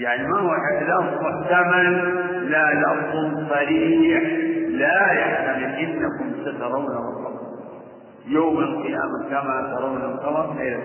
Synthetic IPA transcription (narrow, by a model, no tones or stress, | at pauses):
jaʕnimanwaːħadkad̪aːmsˤɑfɑħt̪aman | lalɑfðˤʊnsˤɑɾiːħlajaħt̪amɪlʔɪnːakʊmt̪at̪ɑɾˤɑwnawalqɑmɑ̰ɾˤ | joːmalqɨja̰ːmakamat̪ɑɾˤɑwnalqɑmɑɾˤʔa̰jla